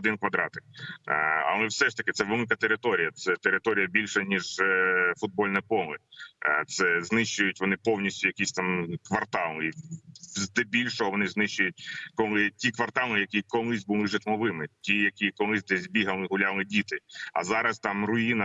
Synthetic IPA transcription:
d̪ɪnkʋɐd̪ɾɑt̪ɪ̥k | ɐ̰lˠɛwsɛʃt̪ɐkɪt̪sɛʋɪlɪkɐt̪eɾɪt̪ɔɾʲijɐt̪sɛt̪eɾɪt̪ɔɾʲijɐbʲilʲʃɐnʲiʒfʊd̪̚bɔlʲnɐpɔlˠɪt̪sɛznɪʃt͡ʃʊjʊtʲʋɔnɪpɔwnʲisʲtʲʊjɐkʲisʲt̪ɑmkʋɐrt̪ɑlˠizd̪ɛbʲilʲʃɔɦɔʋɔnɪznɪʃt͡ʃʊjʊt̚ʲkɔlˠɪtʲikʋɐrt̪ɑlˠɪjɐkʲijkɔlˠɪzʲbʊlˠɪʒɪt̪mɔʋɪmɪtʲijɐkʲijkɔlˠɪzʲd̪ɛzʲbʲiɦɐlˠɪɦʊlʲalˠɪdʲit̪ɪɐ̰zɑɾɐst̪ɑmrʊjinɐ

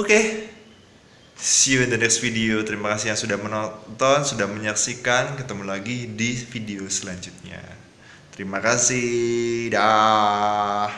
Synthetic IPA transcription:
oke | siud̪ənɛksfideot̪əɾimakasihjaŋsudahmənɔt̪ɔnsudahməɲaksikankət̪əmulaɡidifideosəlaɲd͡ʒut̪̚ɲa̰ | t̪əɾimakasida

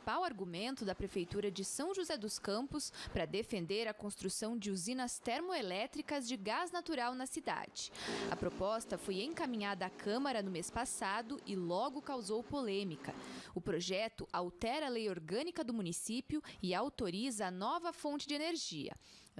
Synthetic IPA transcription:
i̥pawaɾɡumẽnt̪ʊd̪ɐpɾefejt̪uɾɐd͡ʒɪsɐ̃w̃ʒuzɛd̪ʊskɐ̃mpʊspɾɐd̪efẽnd̪eɾɐkõst̪ɾusɐ̃w̃d͡ʒɪuzĩnɐst̪eɾmoelɛt̪ɾikɐzd͡ʒɪɡaznat̪uɾawnɐsid̪a̰d͡ʒɪ̥ɐ̰pɾopɔst̪ɐfojẽkamĩɲad̪ɐːkʰɐ̃mɐɾɐnʊmespasad̪ʊʔɪlɔɡʊkawzowpolẽmikɐʊpɾoʒɛt̪ʊʔawt̪ɛɾɐlejoɾɡɐ̃nikɐd̪ʊmunisipjʊɪawt̪oɾizɐːnɔvɐfõnt͡ʃɪd͡ʒɪeneɾʒiɐ̰

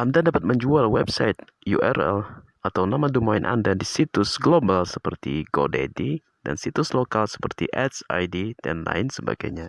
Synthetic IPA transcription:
ʔandadapat̪̚məɲd͡ʒualwɛbsaɪt̪̚ | jṵʔɛrɛ̰l | at̪awnamadumainʔa̰ndadisit̪ʊsɡlobalsəpərt̪ḭɡo̰dḛdi | da̰nsit̪ʊslokalsə̥pərt̪ḭʔɛt̪sajdit̪ɛ̰nla̰ɪnsəba̰ɡa̰jɲa

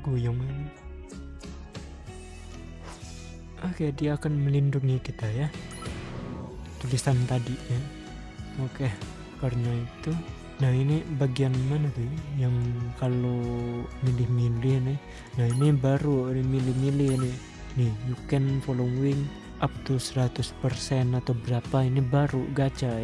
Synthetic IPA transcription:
ɡujɔŋini | ahkajadiaːkanməlinduŋikit̪aja | t̪ulisant̪adina | okɛh | pərnait̪u | nahinibaɡianmanad̪ujaŋkalomilɪhmilɪhni | nahinibaɾunimilɪhmilɪhni | nihjukɛnfoloŋwɪŋ | ʔap̚t̪usəɾat̪ʊspərsɛnat̪aubəɾapainibaɾuɡat͡ʃa

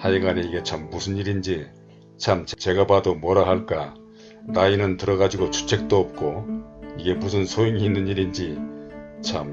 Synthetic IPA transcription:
haiɡaneiɡe̞t͡ɕʰamːusʰɯniɾind͡ʑi | t͡ɕʰamt͡ɕet͡ɕe̞ɡabadomwʌɾaɦaɭk͈a | nainɯntɯɾʌɣad͡ʑiɡot͡ɕʰu̥t͡ɕʰe̞k̚t͈oʌp̚k͈oiɡe̞musʰɯnsʰojoŋiːnːɯnɲiɾind͡ʑi | t͡ɕʰam

